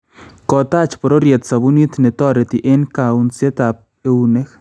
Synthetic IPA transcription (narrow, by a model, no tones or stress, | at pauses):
kot̪at͡ʃpoɾoɾjet̪t͡sabunit̪net̪oɾet̪iʔenkaunt͡sjet̪ap̚ | eunex